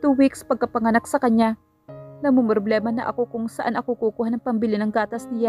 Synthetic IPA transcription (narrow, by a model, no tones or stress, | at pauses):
t̪uːwikspɐɡ̚kɐpɐŋɐnak̚sɐkɐɲɲa | nɐmʊmɾoblɛːmɐnɐ̰ʔɐ̰ko̞kʊŋsɐʔanʔɐkukukuhanɐŋpɐmbɪlɪnɐŋɡaːt̪ɐsnɪja